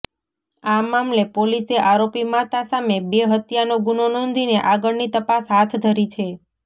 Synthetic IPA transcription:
amamlepoliseʔaɾopimat̪asamebeɦət̪janoɡunonɔ̃nd̪ʱineʔaɡəɭnit̪əpasɦat̪ʰd̪ʱəɾit͡ʃʰe

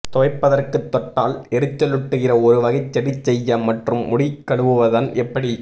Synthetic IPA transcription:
t̪ɔʋɐɪpːɐðɐrkɯt̪ːɔʈːaːlɛɾɯt͡ʃːɐlɯʈːɯɣɪrɐɔɾɯʋɐɣɐɪt͡ʃːɐɽɪt͡ʃːɛjːɐmɐʈrɯmːʊɽikːɐɭɯʋɯʋɐðɐnɛpːɐɽi

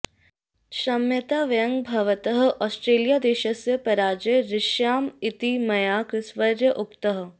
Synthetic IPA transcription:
ʃɐmjət̪aːʋɐjə̃ŋɡbʱɐʋət̪əɦɔːsʈɾeːlijad̪eːʃɐsjəpɐɾaːd͡ʒeɾɪʃjaːmɪt̪imɐjaːksʋɐɾjəʔʊpt̪əɦ̆

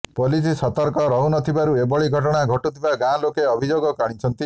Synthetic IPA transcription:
polis̬isɔt̪ɔɾkɔɾɔɦunɔt̪ʰibaɾuebɔɭiɡʱɔʈɔɽ̃aɡʱɔʈut̪ʰibaɡãlokeɔbʱid͡ʒoɡɔkaɽ̃it͡ʃʰɔnt̪i

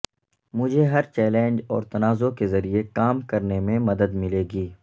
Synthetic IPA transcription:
mʊd͡ʒʱeɦɐɾt͡ʃɛːlɛ̃ːnd͡ʒɔːɾt̪ɐnaːzokezɐɾiekaːmkɐɾnemẽmɐd̪əd̪mɪleːɡiː

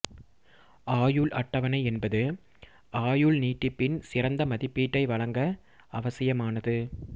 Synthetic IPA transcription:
ʔaːjɯɭʔɐʈːɐʋɐnɐɪɛnbɐðɯ | ʔaːjɯɭniːʈːɯpːɪnsɪrɐnd̪ɐmɐðɪpːiːʈːɐɪʋɐɻɐŋɡɐː | ʋɐsɪjɐmaːnɐðɯ

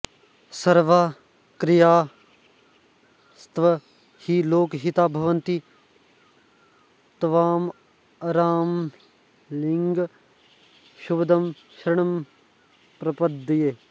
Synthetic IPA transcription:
sɐɾʋaː | kɾijaː | st̪ʋɐ | hiloːkɦit̪aːbʱɐʋɐnt̪i | t̪ʋaːm | ɐɾaːm | liŋɡ | ʃubəd̪ɐm | ʃɾɪɳ̃ɐm | pɾɐpɐd̪ːjeː

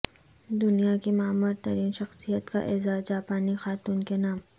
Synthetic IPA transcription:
d̪ʊnijakimaːmʊɾt̪ɐɾiːnʃɐxsijət̪ka̰ʔɪzaːd͡ʒaːpaːnixaːt̪uːnkenaːm

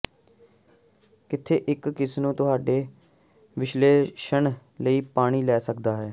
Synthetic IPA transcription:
kɪt̪ʰːeːʔɪkːɪsnũːt̪ʊɦaːɖeː | ʋɪʃleːʃəɳləiːpaːɽ̃iːlɛːsək̚d̪aːɦɛː

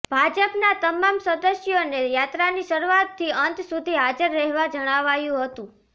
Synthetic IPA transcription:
b̥ʱad͡ʒəpnat̪əmamsəd̪əsjonejat̪ɾaniʃəɾuat̪ʰːiənt̪sud̪ʱiɦad͡ʒəɾːɛɦʋad͡ʒəɽ̃aʋajũɦət̪ũ

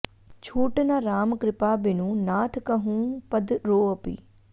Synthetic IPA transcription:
t͡ʃʰuːʈnaɾaːmkɾɪpaːbɪnũːnaːt̪ʰkəɦũːpəd̪ɾoːɐpḭː

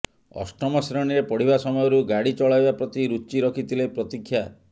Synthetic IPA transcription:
ɔ̰sʈɔmɔsɾɔɽ̃iɾepɔɽ̤iβasɔmɔjɔɾuɡaɽit͡ʃɔɭajbapɾɔt̪iɾut͡ʃiɾɔkʰit̪ʰilepɾɔt̪ikʰːja

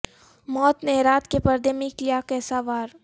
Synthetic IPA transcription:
mɔːt̪nɛːɾaːt̪kepəɾd̪emɪ̃klijakɛːsaʋaːɾ

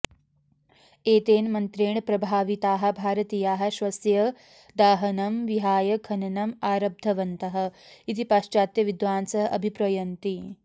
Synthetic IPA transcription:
eːt̪eːnmɐnt̪ɾeːɳpɾɐbʱaːʋit̪aːɦɐ̆bʱaːɾɐt̪iːjaːɦɐ̆ʃʋɐsjɐ | d̪aːɦɐnɐmʋiɦaːjɐkʰɐnɐnɐmaːɾɐb̚d̪ʱɐʋɐnt̪ɐɦɐ̆it̪ipaːʃt͡ʃaːt̪jɐʋid̪ʋaːnsɐɦɐʔɐ̰bʱipɾɐjɐnt̪i

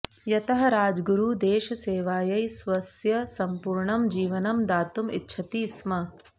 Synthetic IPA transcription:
jɐt̪ɐɦɐɾaːd͡ʒɡuɾuːd̪eːʃɐseːʋaːjɐjsʋɐsjɐsɐmpuːɾɳɐmd͡ʒiːʋɐnɐmd̪aːt̪umḭtːʃʰɐt̪iːsmɐ

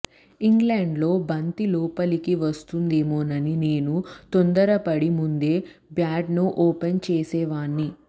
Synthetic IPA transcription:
iŋɡleːɳɖlo̞ːbɐnt̪ilɔːpɐlikiʋɐst̪und̪eːmoːnɐnine̞ːnut̪ond̪ɐɾɐpɐɽimund̪e̞ːbjaːɖnuʔoːpent͡ʃeːsɛːʋaːnːi

